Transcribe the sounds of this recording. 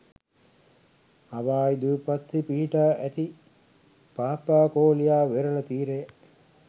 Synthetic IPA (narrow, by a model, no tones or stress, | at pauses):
aʋaːid̪uːpɐt̪ːipiɦiʈaːʔæt̪i | paːpaːkoːlijaːʋeɾɐlɐt̪iːɾejə